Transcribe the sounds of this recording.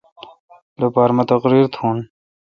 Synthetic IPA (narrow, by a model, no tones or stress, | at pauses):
lopaːɾmɐt̪ɐqɾiːɾt̪ʰuːn